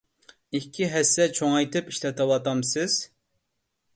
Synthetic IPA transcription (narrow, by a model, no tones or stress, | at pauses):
ikʲʰːiɦɛsːɛt͡ʃʰoŋɑjt̪ʰɨpiʃlɛt̪ʰɨwɑt̪ɑmsɨz̥